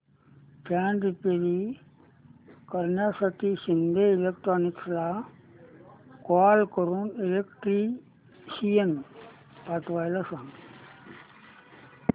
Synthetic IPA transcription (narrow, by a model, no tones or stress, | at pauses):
kaːɳɖipeɾi | kɐɾnasɐʈisind̪eilek̚ʈɾoːniksla | kaːlkoɾunilekʈɾi | sijen | paʈʋɐjlɐsan